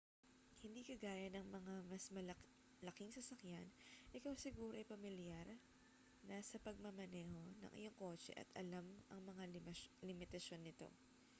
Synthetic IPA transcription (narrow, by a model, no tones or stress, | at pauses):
hɪnd̪iːkɐɡaːjɐnɐŋmɐŋamɐsmɐl | lɐkɪŋsɐsɐkjanʔɪkɐwsɪɡuːɾoʔɐjpɐmɪljaɾ | nasɐpɐɡ̚mɐmɐnɛːho̞nɐ̰ŋʔɪ̰jo̞ŋko̞ːt͡ʃɛ̰ʔɐ̰t̪ɐlamʔɐ̰ŋmɐŋalɪmɪt̪ɐʃo̞nːɪt̪o̞̰